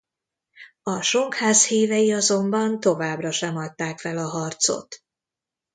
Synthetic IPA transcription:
ɒʃoŋkhaːshiːvɛjiɒzo̞mbɒnt̪o̞vaːbrɒʃɛmɒt̪ːaːkfɛlɒɦɒrt̪so̰t̪

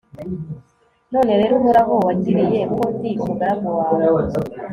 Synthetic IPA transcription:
noːne̞ɾeɾumuɾaɦowaciɾijepotikuɡaɾamuwaːwo

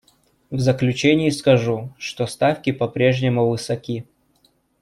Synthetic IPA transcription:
vzəklʲʉt͡ɕenʲɪjɪskɐʐuʂt̪ost̪afkʲɪpɐpɾʲe̞ʐnʲɪmʊvɨsɐkʲi

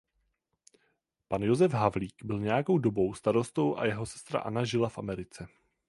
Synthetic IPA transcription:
panjo̞zɛfɦavliːkbɪlɲɛjako̞wdo̞bo̞wst̪aɾo̞st̪o̞wʔa̰jɛɦo̞sɛ̥st̪ɾa̰ʔa̰naʒɪlafʔamɛɾɪt͡sɛ

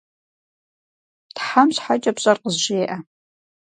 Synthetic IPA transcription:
tħamɕħat͡ʃʼɐpɕʼɐrqəzʒeːʔa

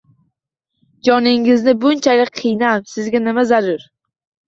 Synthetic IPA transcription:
d͡ʒɒnɪŋɪznɪbʊnt͡ʃʰalɪq̚ʲqʰːɨjnamsɪzɡʲanɪmazaɾʊɾ

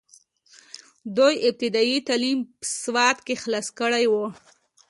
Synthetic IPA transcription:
d̪ojɪp̚t̪ɪd̪ɑjit̪alimpə̥swɑt̪kexlɑskəɽajwo

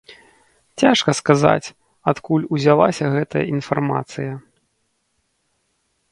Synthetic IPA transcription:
t͡sʲaʂkɐskaza̰t͡sʲ | at̪kulʲuzʲalˠasʲɐɣɛt̪ɐjɐ̰ʔinfarma̰t̪sɨjɐ

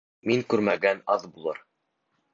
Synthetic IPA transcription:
miŋkʉɾmæɡænɑðbulˠɤɾ

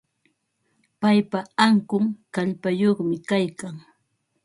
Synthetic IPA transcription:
pajpaaŋkʊŋkaʎpajoχmɪkajkaŋ

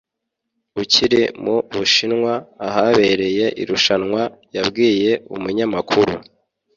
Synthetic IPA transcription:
uciɾimuβuʃinŋwaːɦaβe̞ɾe̞je̞ʔḭɾuʃanŋwajabɡiːje̞ṵmuɲamakʰuɾu

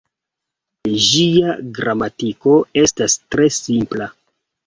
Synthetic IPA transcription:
ʒiaɡɾamatiko̞e̞stastɾe̞simpla

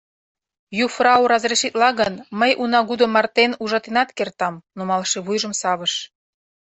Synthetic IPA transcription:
jufrɑuɾɑzɾeʃit̪lɑɣənməjʔunɑɣud̪ŏmɑrt̪enuʒɑt̪enɑt̪kert̪ɑmnumɑlʃeβujʒə̆msɑβəʃ

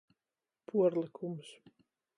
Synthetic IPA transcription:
pʰuɔɾlˠikʰums

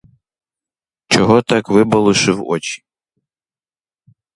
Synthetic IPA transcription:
t͡ʃɔɦɔt̪ɑkʋɪbɐlˠʊʃɪwɔ̰t͡ʃi̥

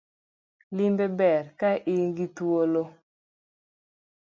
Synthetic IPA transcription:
limbebɛɾkaʔɪŋɡit̪uolo

